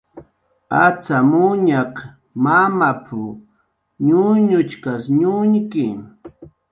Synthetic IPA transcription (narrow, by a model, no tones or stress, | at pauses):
at͡samʊɲaq | mamapʰʊ | ɲʊɲʊt͡ʃkasɲʊɲkɪ